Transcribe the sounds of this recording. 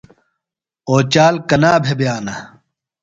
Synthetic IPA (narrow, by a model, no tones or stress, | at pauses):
oːt͡ɕaːlkɐnaːbʱebjaːnɐ